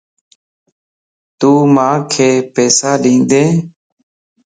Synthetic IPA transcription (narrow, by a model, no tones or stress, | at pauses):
t̪uːmãːkʰeːpeːsaːɗĩːnd̪ẽː